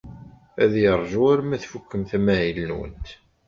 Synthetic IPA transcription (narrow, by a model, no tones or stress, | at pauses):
æðjəɾˤʒuaɾmæθfukːəmθæmæʕilənwə̰nt̪